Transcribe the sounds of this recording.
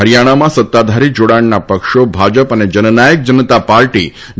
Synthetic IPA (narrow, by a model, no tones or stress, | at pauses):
ɦəɾjaɽ̃amãsət̪ːad̪ʱaɾid͡ʒoɽaɳnapəkʃobʱad͡ʒəpəned͡ʒənənajək̚d͡ʒənət̪apaɾʈi